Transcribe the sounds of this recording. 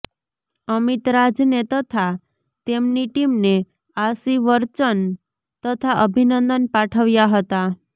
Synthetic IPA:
əmit̪ɾad͡ʒnet̪ət̪ʰa | t̪emniʈimne | asiʋəɾt͡ʃən | t̪ət̪ʰaʔəbʱinənd̪ənpaʈʰəʋjaɦət̪a

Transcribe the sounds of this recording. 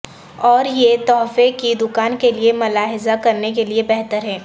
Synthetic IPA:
ɔːɾjet̪ɔːɦfekid̪ʊkaːnkeliemʊlaːɦɪzakɐɾnekeliebɛɦt̪əɾɦɛː

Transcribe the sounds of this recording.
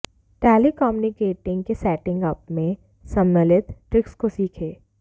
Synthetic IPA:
ʈeːlikɔːmunɪkeːʈɪ̃ŋɡkesɛːʈɪ̃ŋɡəp̚mẽ | sɐ̃mːelɪt̪ʈɾɪkskosiːkʰeː

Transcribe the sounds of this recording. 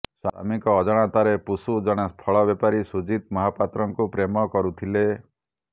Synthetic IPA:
sa̰a̰mikɔːd͡ʒɔɽ̃at̪aɾepusud͡ʒɔɽ̃aspʰɔɭɔbjɔpaɾisud͡ʒit̪mɔɦapat̪ɾɔŋkupɾemɔkɔɾut̪ʰile

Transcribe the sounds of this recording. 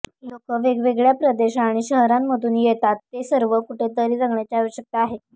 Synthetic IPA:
lokəʋeɡʋeɡɭjapɾəd̪eɕaɽ̃iɕəɦɾamːəd̪ʱuːnjet̪at̪ːesəɾʋəkuʈʰet̪əɾiːɾəŋɡɳjat͡ɕeaʋəɕjək̚t̪aːɦe

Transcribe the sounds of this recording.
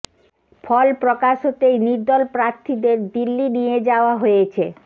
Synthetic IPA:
fʰɔlpɾɔkaʃot̪ejniɾd̪ɔlpɾaɾt̪ʰid̪eɾd̪ilːinijed͡ʑaoaɦojet͡ɕʰe

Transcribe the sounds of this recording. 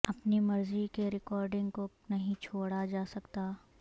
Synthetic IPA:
ɐpnimɐɾzikeɾɪkɔːɾɖɪ̃ŋɡko | nɐɦĩt͡ʃʰoːɽad͡ʒaːsɐkt̪aː

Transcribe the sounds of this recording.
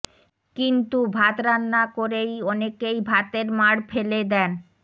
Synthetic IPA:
kint̪ubʱat̪ɾanːakoɾejɔnekejbʱat̪eɾmaɽfʰeled̪ɛn

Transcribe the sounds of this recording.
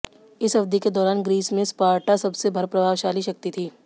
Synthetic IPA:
ɪsɦɐfd̪iked̪ɔːɾaːnɡɾiːsmẽspaːɾʈʰasɐbsebʱɐɾpɾɐbʱaːʋʃaːliʃɐk̚t̪it̪ʰiː

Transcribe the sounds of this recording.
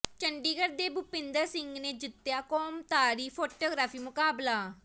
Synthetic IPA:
t͡ʃəɳɖiːɡəɾd̪eːbʊpɪ̃nd̪əɾsɪ̃ŋɡneːd͡ʒɪt̪ːjaːkɔːmt̪aːɾiːpʰoːʈoːɡɾaːfiːmʊkaːblaː

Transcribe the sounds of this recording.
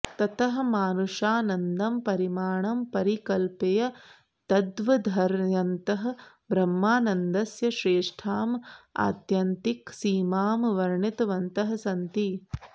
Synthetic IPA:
t̪ɐt̪ɐɦɐ̆maːnuʂaːnɐnd̪ɐmpɐɾimaːɳɐmpɐɾikɐlpejɐ | t̪ɐd̪ʋɐd̪ʱɐɾjɐnt̪ɐɦɐ̆ | bɾɐmːaːnɐnd̪ɐsjɐʃɾeːʂʈʰaːma̰ːt̪jɐnt̪iksiːmaːmʋɐɾɳit̪ʋɐnt̪ɐɦɐ̆sɐnt̪i

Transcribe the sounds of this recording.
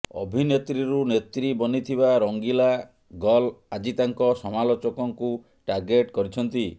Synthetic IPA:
ɔ̰bʱinet̪ɾiɾunet̪ɾibɔnit̪ʰibaɾɔŋɡila | ɡɔlad͡ʒit̪aŋkɔsɔmalot͡ʃɔkɔŋku | ʈaɾɡeʈkɔɾit͡ʃʰɔnt̪i

